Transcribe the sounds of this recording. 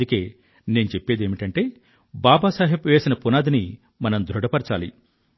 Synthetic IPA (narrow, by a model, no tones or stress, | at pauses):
uke̞ː | ne̞ːnut͡ʃepːe̞ːd̪eːmiʈɐɳʈe̞ː | baːbaːsaːɦipʋɛːsinɐpunaːd̪ini | mɐnɐmd̪ʱɾuɽɐpɐɾt͡ʃaːli